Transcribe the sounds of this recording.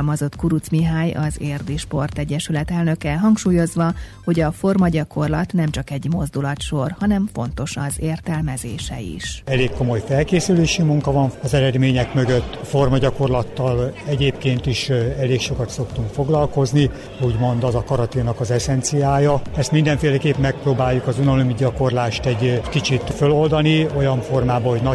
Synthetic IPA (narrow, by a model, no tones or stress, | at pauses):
lmɒzo̞t̪kuɾut̪smiɦaːjɒzeːrd̪iʃpo̞rt̪ɛɟːɛʃylɛt̪ɛlnø̞kɛɦɒŋkʃuːjo̞zʋɒho̞ɟɒfo̞rmɒɟɒko̞rlɒt̪nɛmt͡ʃɒkɛɟmo̞zd̪ulɒt̪ʃo̞rhɒnɛɱfo̞̰nt̪o̞ʃɒzeːrt̪ɛlmɛzḛːʃɛ̰ḭʃɛleːkːomo̞jfɛlkeːsyleːʃimuŋkɒvɒɱɒzɛɾɛd̪meːɲɛkmø̞ɡøt̪ːfo̞rmɒɟɒko̞rlɒt̪ːɒlɛɟeːpkeːnt̪iʃɛleːkʃo̞kɒt̪so̞kt̪uŋkfo̞ɡlɒlko̞zni | uːɟmo̞nd̪ɒzɒkɒɾɒt̪inɒkɒzɛsɛnt̪sijaːjɒɛst̪mind̪ɛɱfeːlɛkeːpmɛk̚proːbaːjːukɒzunonomiɟɒko̞rlaːʃt̪ɛɟkit͡ʃit̪følo̞ld̪ɒnio̞jɒɱfo̞rmaːbɒɦo̞ɟnɒ